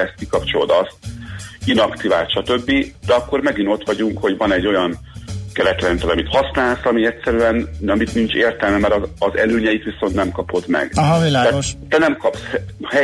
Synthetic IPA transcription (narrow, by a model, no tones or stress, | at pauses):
ɛst̪̚kikɒpt͡ʃo̞lod̪ɒst̪̚inɒkt̪iva̰ːt̪ʃɒt̪ø̞bːid̪̥ɛɒkːo̞rmɛɡino̞t̪ʋɒɟuŋkho̞ɟvɒnɛɟːo̞jɒn | kɛɾɛt̪ɾɛnt̪ɛlɒmit̪hɒsnaːlsɒmiɛtʲsɛɾyɛnɒmit̪nint͡ʃeːrt̪ɛlmɛmɛɾɒɒzɛ̰løːɲɛjit̪ʋiso̞nt̪nɛmkɒpo̞d̪mɛ̰ɡ̥iaːɛʃt̪ɛnɛmkɒpshhɛ